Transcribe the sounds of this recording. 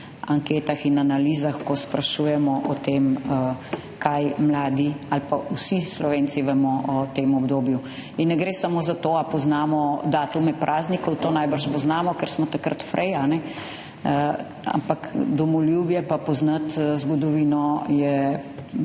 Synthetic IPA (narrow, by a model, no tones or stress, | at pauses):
aŋkeːt̪axinanalizaxkɔspɾaʃujɛmɔʔɔt̪em | kʰajmlaːd̪ialpausislɔʋeːnt̪siʋɛmɔʔɔt̪emɔbd̪oːbju | inːɛɡɾeːsamozat̪oapɔznaːmɔd̪aːt̪umɛpɾʔaːznikɔwt̪oːnajbəɾʃpɔznaːmɔkɛɾsmɔt̪akɾə̰t̪fɾʔɛjanɛ | a̰mpakd̪ɔmɔljubjɛpapɔznat̪zɡɔd̪ɔʋinɔjɛ